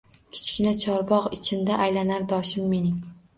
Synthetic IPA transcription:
kʲʰɪ̥t͡ʃkʲɪnat͡ʃʰɒɾbɒqɪt͡ʃʰɪnd̪aʔajlanaɾbɒʃɪmːe̞nɪŋ

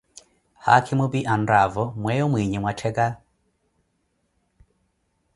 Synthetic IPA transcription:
ha̰kʰɪmʊbiʔandavɔmwɛjɔmwiɲimwatʰɛɡa

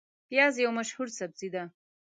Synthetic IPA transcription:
pjɑzjawmaʃhuɾsab̚zid̪a

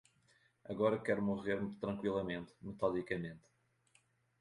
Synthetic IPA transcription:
ɐɣɔɾɐkɛɾumuʁeɾmt̪ɾɐ̃ŋkwilˠɐmẽnt̪mɨt̪aðikɐmẽnt̪

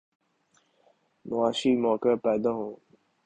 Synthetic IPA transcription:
mʊaːʃiːmɔːkəpɛːd̪ãɦõː

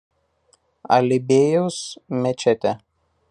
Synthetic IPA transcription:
ɐ̰lʲɪbʲeːjoʊsmʲɛt͡ʃʲɛt̪ʲɛ

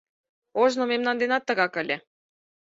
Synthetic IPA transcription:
oʒnomemnɑnd̪enɑt̪ːə̆ɣɑkə̆lʲĕ

